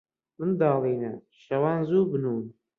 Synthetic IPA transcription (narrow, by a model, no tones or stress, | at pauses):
mɨnd̪ɑːlˠiːnɐ̰ | ʃɐwɑːnzuːbɨnuːn